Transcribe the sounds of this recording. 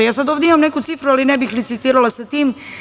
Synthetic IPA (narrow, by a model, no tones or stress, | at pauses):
jaːsad̪o̞ːvd̪eimamnekut̪sifɾualinebixlit̪sit̪iːɾalasat̪iːm